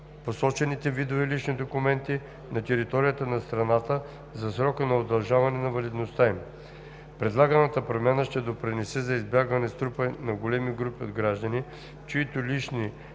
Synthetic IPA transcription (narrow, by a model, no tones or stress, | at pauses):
posɔt͡ʃɛnit̪ɛvid̪ovɛliʃnid̪okumɛnt̪i | nɐt̪ɛɾit̪ɔɾijət̪ənɐst̪ɾɐnat̪ə | zɐsɾɔkənɐod̪ɐlˠʒavɐnɛnɐvɐlid̪nost̪aim | pɾɛd̪lˠaɡənɐt̪əpɾomʲanəʃt̪ɛd̪opɾinɛsɛzɐizbjaɡvɐnɛst̪ɾupənɐɡolɛmiɡɾupiod̪ɡɾaʒd̪əni | t͡ʃoit̪ʊliʃni